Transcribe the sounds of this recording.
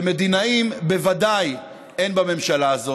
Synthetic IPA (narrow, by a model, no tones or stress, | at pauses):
me̞d̪inaimbe̞vadaj | enbame̞mʃalaːzo̞